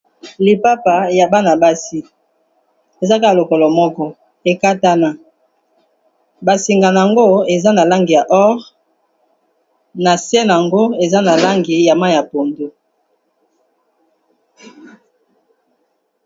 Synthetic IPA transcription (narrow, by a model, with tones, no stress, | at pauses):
li˨pa˦pa˨ja˨ba˦na˨ba˦si˨ | e˨za˦ka˦a˨lo˨kɔ˨lɔ˨mɔ˦kɔ˦ | e˨ka˦ta˦na˨ | ba˨si˨ŋɡa˨na˨a˨ŋɡo˦e˨za˦na˨la˦ŋɡi˨ja˨ʔɔ˦ʁ | na˨sɛ˦n˨a˨ŋɡo˦e˨za˦na˨la˦ŋɡi˨ja˨ma˦ja˨po˨ndo˦